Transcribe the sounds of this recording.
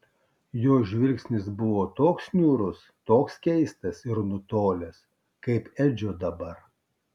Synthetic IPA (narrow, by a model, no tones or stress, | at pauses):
joːʒʲʋʲɪlʲksʲnʲɪsbʊʋoːt̪oːksnʲuːɾʊs | t̪oːkskʲɛɪst̪ɐsɪɾnʊt̪oːlʲɛs | kɐɪpɛd͡ʒʲoːd̪ɐbɐɾ